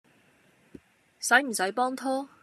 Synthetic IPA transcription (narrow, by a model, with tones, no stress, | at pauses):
sɐ˨˥jm̩˨˩sɐ˨˥jpɔː˥ŋt̪ʰɔː˥